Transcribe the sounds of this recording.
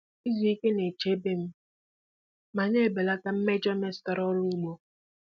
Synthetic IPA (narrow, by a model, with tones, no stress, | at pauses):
i˦zi˨i˦ke˦ne˨t͡ʃe˦be˦m̩˦ | ma˨ɲe˦˨be˨la˦ka˦m̩˦me˦d͡ʒɔ˦me˦sta˨ɾɔ˦ɾʊ˦u˦ɡ͡bo˦